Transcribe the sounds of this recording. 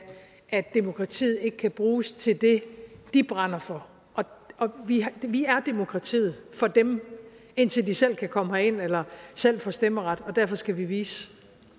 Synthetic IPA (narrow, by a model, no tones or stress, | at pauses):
ʔæd̥e̝mo̝kʰʁɑ̈t͡sʰḭːð̩ˠe̝ɡ̥əkʰæb̥ʁuːst͡sʰe̝ld̥e̝d̥ib̥ʁɑn̰ɐfɒ̽ | ʔɒ̽ɒ̽ʋiʋiæɐd̥e̝mo̝kʰʁɑ̈t͡sʰḭːð̞̩ˠfɒ̽d̥em | e̝n̰t͡sʰe̝ld̥isel̰kʰækʰɒ̽məhæe̝n̰elɐsel̰fɒsd̥eməʁɑ̈d̥ɒ̽d̥æɐ̰fɒ̽sɡ̥æʋiʋiːs